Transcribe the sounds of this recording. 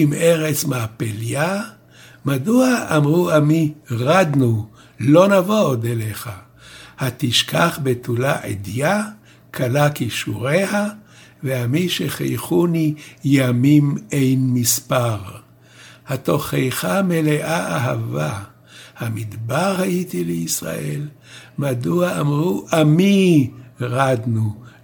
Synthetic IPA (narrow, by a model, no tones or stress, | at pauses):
imʔeʁet͡smaːpelja | maduaʔːmʁuamiʁad̪nu | lo̞navod̪eleχa | hat̪iʃkʰaχbet̪ʰulaʔḛd̪ja | kʰalakiʃuʁeha | veamiʃeχḛjχunijamimejnmispaʁ | hat̪o̞χejχameleʔaaɦava | hamid̪baʁhajit̪ileisʁa̰ʔel | mad̪uaamʁuʔami | ʁad̪nu